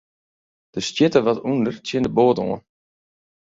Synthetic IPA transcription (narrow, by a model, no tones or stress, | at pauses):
d̥əstjɪtəʋɔtundərtjɪndəboːto̰ən